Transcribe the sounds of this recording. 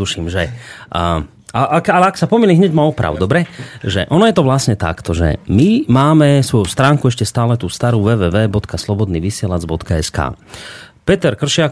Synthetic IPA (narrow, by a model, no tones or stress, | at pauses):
uʃimʒɛ | aʔakalɛaksapɔmiliɦɲɛɟmaɔpɾa̰ʊd̪ɔbɾɛʒɛ̰ʔɔnɔjɛt̪ɔʋlasɲɛt̪a̰kt̪ɔʒɛ̰mimaːmɛsʋɔjust̪ɾaːŋkuɛʃcɛst̪aːlɛt̪uːst̪aɾuːʋɛːʋɛːʋɛːbɔt̪kʰaslɔbɔd̪niːʋisɪɛlad͡zbɔt̪kaɛska̰ːpɛt̪ɛɾkr̩ʃɪak